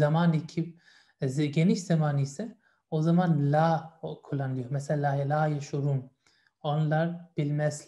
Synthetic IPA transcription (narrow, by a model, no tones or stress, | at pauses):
zamaːnicʰip | ɟeniʃz̥amaːnijsɛ | ozamanlʲaːkʰulˠːanɯlˠɯjomɛselʲaːjalʲaːjaʃoɾum | onlˠaɾb̥ilʲmɛzl